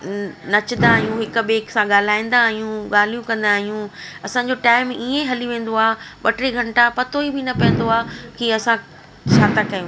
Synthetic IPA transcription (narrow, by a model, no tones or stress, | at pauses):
nɐt͡ɕnd̪aːɦijũɦɪk̆ɓeːksãɠaːl̤aːĩːn̆d̪aːɦijũɠaːl̤ijũkɐ̃nd̪aːɦijũɐsãɲd͡ʑoʈaːɪmiẽɦɐliʋẽːn̆d̪oaːɓɐʈɾiɡʱɐ̃ɳʈapɐt̪oibʱɪnɐpɐ̃ːn̆d̪oaːkiɐsã | t͡ɕʰaːt̪akɐjũ